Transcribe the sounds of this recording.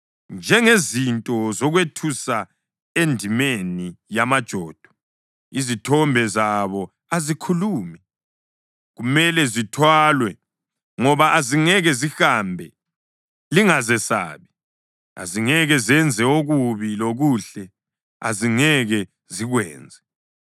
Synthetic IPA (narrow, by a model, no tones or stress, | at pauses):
nd͡ʒʱɛŋezintʼɔzɔɣwetʰusa | endʱimenijamad̥ʒ̥ʱɔːd̥ʱɔ̥ | izitʰɔmbʱɛzaβɔ | azikʰuluːmɛ | ɣumɛlɛzitʰwaːlwɛ | ŋɔβaʔaziŋɛɣɛzihambʱɛ | liŋazɛsa̰ːβi | a̰ziŋɛɣɛzɛnd͡zʱɛoɣuβiloɣuɬɛ | a̰ziŋɛɣɛ | ziɣwɛ̰ːnd͡zʱɛ